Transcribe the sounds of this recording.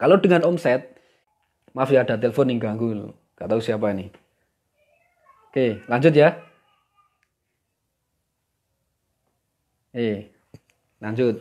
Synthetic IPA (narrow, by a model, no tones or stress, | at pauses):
kaloɖəŋanɔmsɛt̪̚ | mafiaɖ̥a̤t̪̬elefoniŋɡaŋku | ɡ̥at̪ausiap̬aini | okelaɲd͡ʒʊt̪̬̚ja | e | laɲd͡ʒʊt̪̚